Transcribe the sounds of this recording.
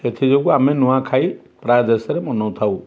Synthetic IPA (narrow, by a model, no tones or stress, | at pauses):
et̪ʰid͡ʒɔkuamenuwakʰaj | pɾadesɾemɔnɔwt̪ʰaw